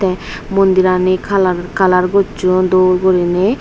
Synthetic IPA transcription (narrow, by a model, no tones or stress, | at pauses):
t̪ɛmond̪iɾanikʰaakalaɾɡod͡ʒod̪oɾɡoɾine